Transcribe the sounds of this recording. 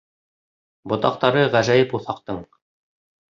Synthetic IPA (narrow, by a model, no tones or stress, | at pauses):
bŏt̪ɑq̚t̪ɑɾɤʁæʒæjɘpuθɑq̚t̪ɤɴ